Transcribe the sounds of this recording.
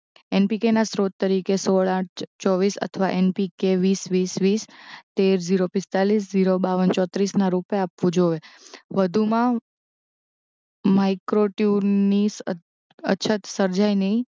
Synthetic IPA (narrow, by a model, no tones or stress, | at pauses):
enpikenasɾot̪ːəɾikesoɭãʈʰt͡ʃɔʋisə̰t̪ʰəʋaʔenpikeʋisʋisʋist̪eɾd͡ʒiɾopɪst̪alisd͡ʒiɾobaʋənt͡ʃɔt̪ɾisnaɾupapʋũd͡ʒoʋeʋəd̪ʱumã | maikɾoʈjunis | ə̰t͡ʃʰət̪səɾd͡ʒajnəĩ